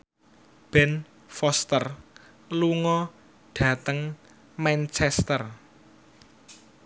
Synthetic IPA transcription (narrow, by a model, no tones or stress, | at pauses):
b̥ɛn | fɔst̪ər | luŋɔ | ɖ̥ä̤t̪əŋ | mɛnt͡ʃɛst̪ər